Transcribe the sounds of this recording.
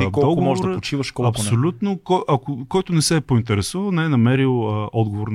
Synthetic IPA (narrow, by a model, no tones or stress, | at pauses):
kɔɔɡmɔʒɛd̪ɾpot͡ʃivəʃkɔɐpsnolʲut̪nokɔjʔɐkokɔjt̪ʊnɛsɛːpʊint̪ɛɾɛsuvɐlˠnɛɛnɐmɛɾilˠəʔɔd̪ɡovoɾn